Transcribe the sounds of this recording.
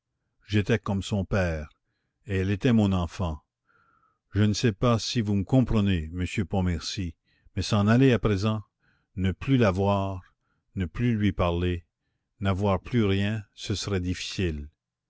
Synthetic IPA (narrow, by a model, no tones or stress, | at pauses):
ʒet̪ɛkɔmsɔ̃pɛːʁ | eɛlet̪ɛmɔ̃nɑ̃fɑ̃ | ʒənəsɛpasivuməkɔ̃pʁəneməsjøpɔ̃mɛʁsi | mɛsɑ̃naleapʁezɑ̃ | nəplylavwaːʁ | nəplylɥipaʁle | navwaːʁplyʁjɛ̃səsəʁɛd̪ifi̥sil